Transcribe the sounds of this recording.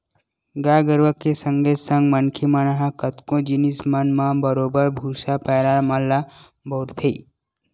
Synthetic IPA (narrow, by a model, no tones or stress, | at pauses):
ɡaːɡəɾʋəkːesəŋɡesə̃ŋɡmɐnkʰimanaɦakət̪kõd͡ʒinismɐnmãbəɾoːbəɾbʱuːsapɛːɾamalːa | bʱoɾt̪ʰe